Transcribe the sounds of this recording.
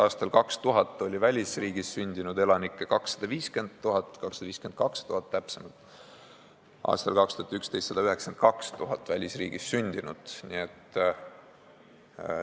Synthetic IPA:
ɑːst̪ɑlkɑkst̪uɦɑt̪ːˑo̞lʲivælʲisriːɡisːynʲd̪̥inud̪̥e̞lɑnikːˑekɑksːɑ̥d̪̥ɑviːske̞nd̪̥̚t̪ːuɦɑt̪ˑːkɑksɑd̪ɑviːske̞nd̪̚kɑkst̪uhɑt̪ːæpse̞mɑlt̪ːˑ | ɑ̰ːst̪ɑlkɑkst̪uhɑt̪ykst̪e̞jst̪sɑd̪̥ɑyɦe̞ksent̪̚kɑkst̪uɦɑt̪ːˑvælʲisrḭːɡ̥isːynʲd̪̥inud̪̥niet̪ː

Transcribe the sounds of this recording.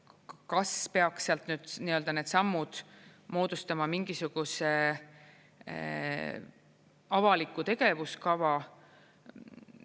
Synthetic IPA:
kɑspe̞ɑkssːeɑlt̪nyːd̪̥niø̞ld̪ɑne̞ːd̪̥sɑmːud̪̥mo̞ːd̪̥ust̪ɑmɑmiŋɡ̥isuɡ̥use | ɑvɑlikːˑut̪e̞ɡ̥e̞vuskɑvɑ

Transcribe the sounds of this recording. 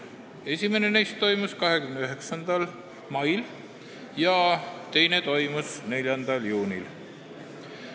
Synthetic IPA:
e̞sʲime̞nenejst̪ːo̞jmuskɑɦe̞kymneyɦe̞ksɑnd̪̥ɑl | mɑjl | jɑt̪e̞jne̞t̪o̞jmusne̞lʲjɑnd̪̥ɑljuːnʲil

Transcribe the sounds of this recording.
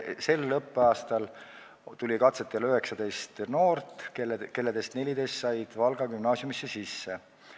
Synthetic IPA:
se̞lːɤpːeɑːst̪ɑl | t̪ulʲikɑt̪set̪ːˑeløɦe̞ksɑd̪̥e̞jst̪no̞ːrt̪ːˑkeke̞lːed̪e̞st̪ne̞lʲid̪e̞st̪sɑjd̪̥vɑlɡ̥ɑkymnɑːsjumisːesisːe

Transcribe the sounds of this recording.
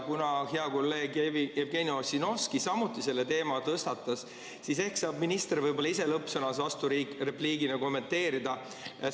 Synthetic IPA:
kunɑheɑko̞lːe̞ːɡevievɡe̞nio̞sino̞skisɑmut̪ːˑise̞lːet̪e̞ːmɑt̪ɤst̪ɑt̪ːˑɑs | sise̞hksɑːb̚minist̪eɾvɤjbo̞lːɑiselɤpːsɤnɑseɑst̪uirepliːɡinɑko̞mːe̞nt̪ːe̞ːɾid̪̥ɑ

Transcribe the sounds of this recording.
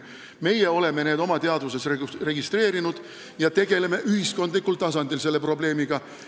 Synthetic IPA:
me̞jeo̞le̞me̞neːd̪o̞mɑt̪e̞ɑd̪vuse̞srere̞ɡist̪re̞ːɾinud̪̥ | jɑt̪e̞ɡ̥e̞le̞me̞ʔyɦisko̞nd̪likːult̪ɑsɑnd̪̥ilse̞lːe̞pro̞ble̞ːmiɡ̥ɑ

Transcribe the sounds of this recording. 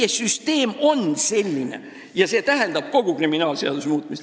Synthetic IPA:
esyst̪e̞ːmo̞nse̞lʲːine̞̰ | jɑse̞ːt̪æɦend̪ɑb̥̚ko̞ɡ̥ukriminɑːlse̞ɑ̰d̪usmuːt̪mis

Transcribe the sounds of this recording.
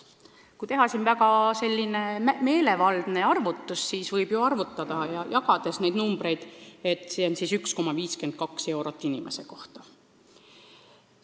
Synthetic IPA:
kujt̪e̞ɦɑsinvæɡ̥ɑse̞lʲːineme̞ːle̞vɑld̪̥ne̞ɑrvut̪ːˑussiːsvɤjb̥juɑrvut̪ːˑɑd̪̥ɑjɑjɑɡɑd̪̥e̞sne̞jd̪̚numb̥ɾe̞jd̪̥e̞t̪ːˑseonsisyksko̞mɑviːske̞nd̪̥̚kɑkse̞wɾot̪ːˑinimʔe̞̰se̞ko̞ht̪ɑ̥

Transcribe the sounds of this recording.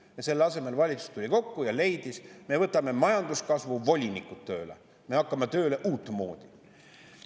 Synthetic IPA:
jɑse̞lːɑse̞me̞lvɑlʲit̪su̥st̪ulʲiko̞kːujɑle̞jd̪̥isme̞vɤt̪ːˑɑme̞mɑjɑnd̪uskɑsvuvo̞lʲinikːˑut̪ːø̞ːle | me̞ɑkːˑɑmet̪ø̞ːleʔuːt̪ːˑmo̞ːd̪̥i̥

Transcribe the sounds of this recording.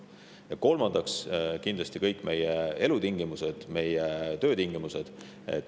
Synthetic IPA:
jɑko̞lmɑnd̪̥ɑkskind̪lɑst̪ikɤjkːˑme̞jee̞lut̪iŋɡ̥imuse̞d̪̥me̞jet̪ø̞ːt̪iŋɡimuse̞d̪̥ | ḛt̪

